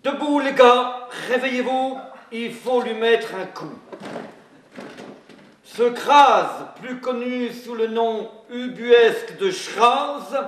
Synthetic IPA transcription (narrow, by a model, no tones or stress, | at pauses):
d̪̥əbuleɡaʁevɛjevuilfolɥimɛt̪χɛ̃kʰu | səkχazplykɔnysulənɔ̃ybyɛskd̪əʃχaz